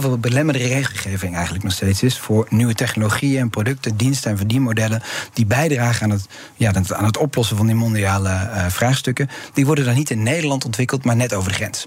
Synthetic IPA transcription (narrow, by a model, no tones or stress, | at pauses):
vəbəlɛmədərərejχəlˠχejvɪŋɛjχəntləknɔχstejtsɪsfʊːɹnyʋətɛχnoloχiəɛnprodɵk̚tədinstəɛnvɔndimodɛləd̥ibɛjdraːχəaːnət | jaa̰ːnɦətɔplɔsəvɑndimɔndiaːləv̥raːχstɵkəd̥iʋɔɹdəndɑnitɪnːejdəlɑntɔntʋɪkəlˠtmaːɹnɛtowvəɹdəχrɛns